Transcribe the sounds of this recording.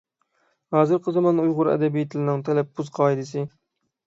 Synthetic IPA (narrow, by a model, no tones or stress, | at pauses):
hɑːzɨɾqʰəzɑmɑnujʁʊɾɛ̰d̪ɛbijit̪ʰlɪnɨŋt̪ʰɛlɛpʰːuzqʰɑːid̪ɨsɨ